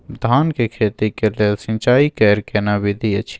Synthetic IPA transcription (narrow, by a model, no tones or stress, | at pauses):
d̪ʱaːnkekʰeːt̪ikelelsɪ̃nt͡ʃaːikɛɾkenabɪd̪ʱiɐt͡ʃʰi̥